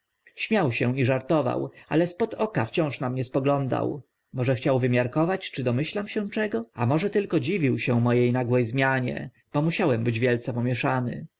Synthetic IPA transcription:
ɕmʲjawɕɛ̃iʐaɾt̪ɔva̰wa̰lɛspɔt̪ɔkaft͡ɕɔ̃w̃ʂnamɲɛspɔɡlɔnd̪a̰w | mɔʐɛxt͡ɕawvɘmʲjaɾkɔvat͡ɕt͡ʂɘd̪ɔmɘɕlamɕɛ̃t͡ʂɛɡɔamɔʐɛt̪ɘlkɔd͡ʑivʲiwɕɛ̃mɔjejnaɡwɛjzmʲjaɲɛ̰ | b̥ɔmuɕawɛmbɘd͡ʑvʲjɛlt̪sɛpɔmʲjɛʂanɘ̰

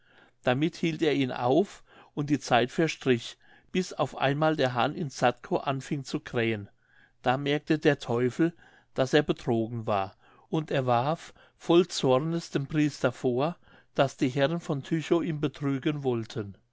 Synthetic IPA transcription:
d̥amɪthiːlteːɐiːnʔa̰ʊfʔʊnt̚d̥iːt͡saɪtfɛɐʃtʁ̥ɪç | b̥ɪsa̰ʊfʔa̰ɪnmaːldeːɐɦanʔɪnsatkʰoʔanfɪŋt͡sukʁ̥ɛːən | d̥aːmɛɐk̚tʰədeːɐtʰɔʏfl̩ | d̥aseːɐbətʁ̥oːɡŋ̩vaːɐ | ʔʊnteːɐvaɐfː | ɔlt͡sɔɐnəsd̥eːmpʁ̥iːstɐfoːɐ | d̥asd̥iːɦɛʁənfɔntʰyçoʔiːmbətʁ̥yːɡənvɔltʰən

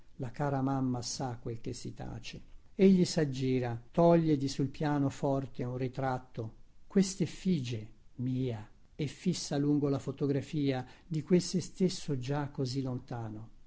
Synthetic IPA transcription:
lakaːɾamamːasakːwelk̟esːit̪a̰ːt͡ʃeeʎːisad͡ʒːiːɾat̪ɔʎːed̪isulpjaːnofɔrt̪eunrit̪ɾat̪ːokwest̪efiːd͡ʒemiːa | efːisːaluŋɡolafot̪oɡɾafiːad̪ikwelsest̪esːod͡ʒakːozilːont̪aːno

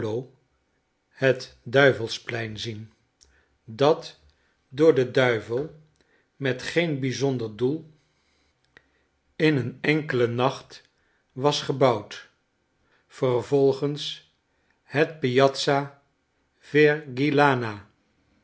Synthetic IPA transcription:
low | hətdœɥvəlˠsplɛjnzin | dɑt | dʊːɹdədœɥvəlˠ | mɛtχejnbizɔndəɹdulˠ | ɪnənɛŋkələnɑχt | ʋɑsχəbɑwt | fərvɔlˠχəns | hɛt̚pijɑtsa | v̥ɛɹɡilaːnaː

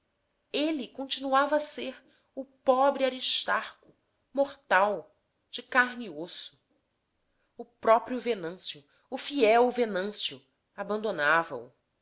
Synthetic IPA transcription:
elikõnt͡ʃinuavɐːseɾ | ʊpɔbɾiaɾiʃt̪aɾkʊ | moχt̪aw | d͡ʒɪkaɾniosʊ̥ | ʊpɾɔpɾjʊvenɐ̃sjʊː | fiɛwvenɐ̃sjʊ | abɐ̃nd̪onavɐʊ̰

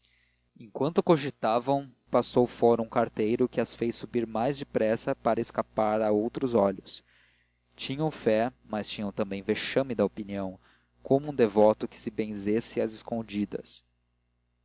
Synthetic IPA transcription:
ẽŋkwɐ̃nt̪ʊkoʒit̪avɐ̃w̃ | pasowfɔɾɐũkaɾt̪ejɾʊkɪɐsfejsubiɾmajzd͡ʒɪpɾɛsɐpaɾɐɪskapaɾaowt̪ɾʊzɔʎʊs | t͡ʃĩɲɐ̃w̃fɛ | mɐst͡ʃĩɲɐ̃w̃t̪ɐ̃mbẽj̃veʃɐ̃mɪd̪ɐopiniɐ̃w̃ | komʊũd̪evɔt̪ʊkɪ̥sɪbẽzesɪɐzɪskõd͡ʒid̪ɐ̰s

